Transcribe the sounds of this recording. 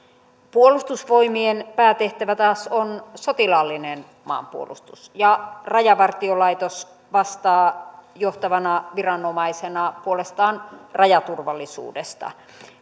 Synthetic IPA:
puolust̪usʋoimienpæːt̪eht̪æʋæt̪ɑːsonsot̪ilɑlːinen | mɑ̰ːmpuo̰lṵst̪usjɑrɑjɑʋɑrt̪iolɑit̪os | ʋɑst̪ɑːjoht̪ɑʋɑnɑʋirɑnomɑisenɑpuolest̪ɑːnrɑjɑt̪urʋɑlːisṵːdest̪ɑ̰

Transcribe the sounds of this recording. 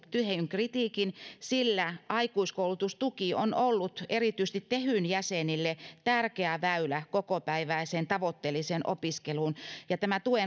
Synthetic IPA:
t̪yheyŋkrit̪iːkinsilːæʔɑikuiskoulut̪ust̪ukionolːut̪erit̪yst̪it̪t̪ehyˑnjæsenilːet̪ærkeæʋæylækokopæiʋæiseːnt̪ɑʋot̪ːelːˑiseːnʔo̰piskeluːnjɑt̪æmæt̪ue

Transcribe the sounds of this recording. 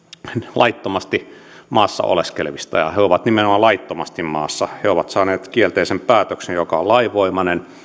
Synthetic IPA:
lʔɑ̰it̪ːomɑst̪i | mɑːsːɑ̰o̰leskḛlʋist̪ɑ̰jɑ̰heoʋɑt̪nimenomɑlɑit̪ːomɑst̪immɑ̰ːsːɑheoʋɑt̪sɑːneːt̪kielt̪eːsempæːt̪øksejjokɑollɑiʋoimɑnen

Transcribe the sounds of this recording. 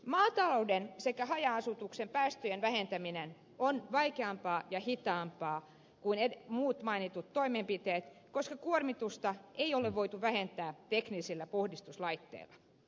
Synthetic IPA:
mɑːt̪ɑloudensekæhɑjɑɑsut̪uksempæːst̪øjenʋæhent̪æminen | onʋɑikeɑmpɑːjɑhit̪ɑːmpɑː | kuinemuːt̪mɑinit̪ut̪toimempit̪eːt̪koskɑkuormit̪ust̪ɑeioleʋʋoit̪uʋæhent̪æːt̪eknisilːæpohdist̪uslɑit̪ːḛilːɑ

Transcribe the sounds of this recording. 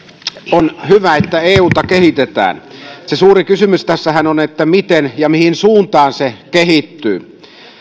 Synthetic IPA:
onhyʋæet̪ːæeːuːt̪ɑkehit̪et̪æ̰ːnsesuːrikysymyst̪æsːæhænonet̪ːæmit̪enjɑmihinsuːnt̪ɑːnsekehit̪ːyː

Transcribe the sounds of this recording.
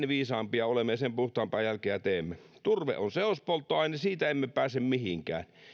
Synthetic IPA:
nʋiːsɑːmpiɑolemːesempuht̪ɑːmpæːjælkeːæt̪eːmːet̪urʋḛʔonseospolt̪ːˑoɑˑinɑsiːt̪æemːepæːsemmihiŋkæ̰ːn

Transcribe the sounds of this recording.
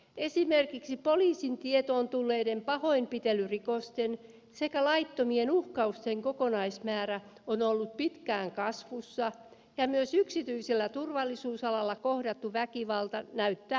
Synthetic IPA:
esimerkiksipoliːsint̪iet̪oːnt̪ulːeːdempɑhoimpit̪elyrikost̪en | sekælɑit̪ːomienuhkɑust̪eŋkokonɑismæːɾæ | onolːut̪̚pit̪kæːŋkɑsʋusːɑ | jɑmyøsyksit̪yiselːæt̪urʋɑlːisuːsɑlɑlːɑkohdɑt̪ːuʋækiʋɑlt̪ɑnæyt̪ːæː

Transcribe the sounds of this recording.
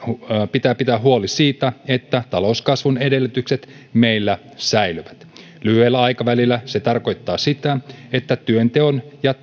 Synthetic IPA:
pit̪æːpit̪æːɦuolisiːt̪æet̪ːæt̪ɑlouskɑsʋunedelːyt̪ykset̪ | meilːæ | sæilyʋæt̪ | lyhyelːæɑjkɑʋælilːæset̪ɑrko̞jt̪ːɑːsit̪æet̪ːæt̪yønt̪eonjɑ

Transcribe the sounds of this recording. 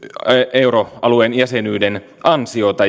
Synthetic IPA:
euroɑluenjæsenyːden | ʔɑnsio̞t̪ɑ

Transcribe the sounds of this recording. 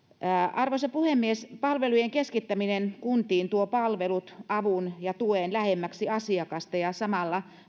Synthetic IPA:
ɑrʋosepuhemːiespɑlʋelujeŋkeskit̪ːæminenkunt̪iːnt̪uopɑlʋelut̪ʔɑʋunjɑt̪ueːnlæhemːæksiɑsiɑkɑst̪ɑjɑsɑmɑlːɑ

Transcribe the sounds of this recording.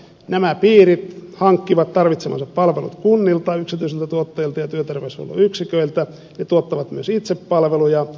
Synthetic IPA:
næmæpiːrit̪hɑŋkːiʋɑt̪t̪ɑrʋit̪semɑ̰nsɑppɑlʋelṵt̪kunːilt̪ɑyksit̪yiselt̪æt̪uot̪ːɑjilt̪ɑjɑt̪yøt̪erʋeso̰lːɑ̰yksikøilt̪æ | net̪uot̪ːɑʋɑt̪myøsit̪seppɑlʋelujɑ

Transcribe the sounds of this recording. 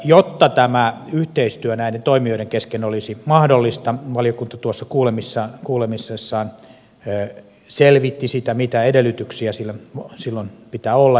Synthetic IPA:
jot̪ːɑt̪æmæyht̪eist̪yønæident̪oimioiɾeŋkeskenolisimɑhdolːist̪ɑʋɑlijokunt̪ɑt̪uosːɑkuːlemisːɑkuːlemisːesːɑːnː | selʋit̪ːisit̪æmit̪æedelːˑyt̪yksiæsilːæsilːonpit̪æolːɑ

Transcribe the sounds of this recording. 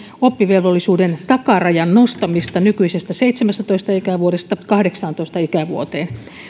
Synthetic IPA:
opːiʋelʋolːisuːdent̪ɑkɑrɑjɑnnost̪ɑmist̪ɑnykyisest̪æseit̪semæst̪æt̪oist̪ɑikæʋuoɾest̪ɑkɑhdeksɑːnt̪oist̪ɑikæʋṵot̪eːn

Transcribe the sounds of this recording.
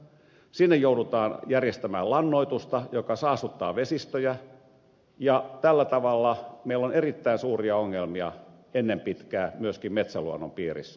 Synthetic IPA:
sinːejjoudut̪ɑːnjærjest̪æmæːlɑnːoit̪ust̪ɑjokɑsɑːsut̪ːɑ̰ːʋesist̪øjæ | jɑt̪ælːæt̪ɑʋɑlːɑmeilːonerit̪ːæinsuːriɑoŋːelmiɑ̰ | enːempit̪kæːmyøskimmet̪sæluonːo̰mpiːrḭsː

